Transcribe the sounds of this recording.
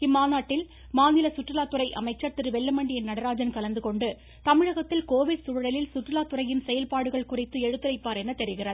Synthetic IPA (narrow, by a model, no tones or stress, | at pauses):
ɪmːaːnaːʈːɪl | maːnɪlɐsʊʈrɪlaːt̪ːɯrɐɪʔɐ̰mɐɪt͡ʃːɐɾt̪ɪɾɯʋɛlːɐmɐɳɖɪjɪnnɐɽɐɾaːd͡ʒɐnkɐlɐnd̪ɯkɔɳɖɯ | t̪ɐmɪɻɐɣɐt̪ːɪlkoːʋɪɖsʊɻɯɽɐlɪlsʊʈrɪlaːt̪ːʊɾɐjɪnsɛjɐlpaːɽɯɣɐɭkʊrɪt̪ːɯɛɻɯt̪ːɯlɐɪpːaːɾɛnːɐt̪ɛɾɪɣɪrɐðɯ